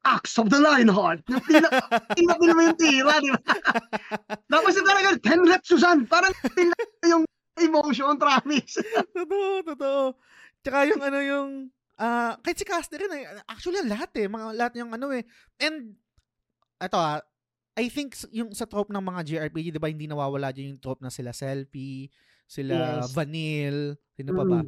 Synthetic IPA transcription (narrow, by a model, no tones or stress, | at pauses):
ʔaksɔvd̪ɐlajnɦɔd̪̚jʊŋpinɐɪlːɐp̪ɪlmɪjʊŋt̪iːɾɐd̪ɪba | t̪aːpɐsnɐp̪aɾɐɡɐnt̪ʰɛnɾɛt̪̚suzanpaːɾɐŋp̪ɪnɐjʊŋ | ʔɪmowʃont̪ɾaːmɪkst̪ot̪oʔot̪ot̪oʔo | t͡ʃɐkajʊŋʔɐno̞jʊŋ | ʔaːkɐɪt̪sɪkast̪ɛɾɪnɛʔak̚t͡ʃʊuɐliɐlɐɦat̪ɛmɐŋalɐhat̪̚ɲʊŋʔɐno̞ɛ | ʔɛnd̪̚ | ʔɛt̪o̞ʔa | ʔɐjθɪŋksjʊŋsɐt̪ɾop̚nɐŋmɐŋad͡ʒiʔɐɹpid͡ʒid̪ɪbahɪnd̪inɐwaːwɐlaːd͡ʒɐnjʊŋt̪ɾop̚nɐsɪlasɛlfi | sɪlavɐnilsɪnɐbɐba